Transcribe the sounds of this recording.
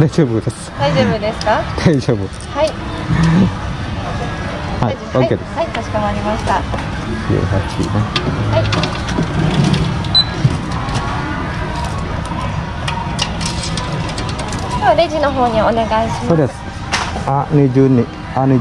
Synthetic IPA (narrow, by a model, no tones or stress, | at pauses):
d̪aiʑoːbɯd̪es | d̪aiʑoːbɯd̪e̞sɨ̥kad̪̥aid͡ʑoːbɯ | hai | haoːkked̪esat̪aɕi̥kaaɾʲimaɕi̥t̪a | ɕḭɦat͡ɕḭnea | t̪oaɾed͡ʑino̞ɦo̞ːɲ̟ioneɡaiɕimod̪es | anid͡ʑɨnːi | ani